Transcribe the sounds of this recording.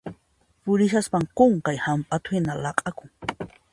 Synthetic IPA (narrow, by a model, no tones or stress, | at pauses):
pʊɾɪʃaspaŋqoɴkajhampʼat̪ʊhɪnalɑqʼɑkʊŋ